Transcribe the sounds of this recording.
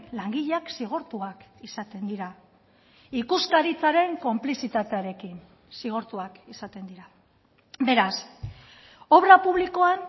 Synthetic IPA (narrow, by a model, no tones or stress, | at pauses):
laŋɡiʎaksiɣ̞oɾt̪uakisat̪e̞nd̪iɾa | ikuskaɾit͡saɾe̞ŋko̞mplisit̪at̪eaɾe̞kin | siɣ̞oɾt̪uakisat̪e̞nd̪iɾa | be̞ɾas | o̞βɾapuβ̞liko̞an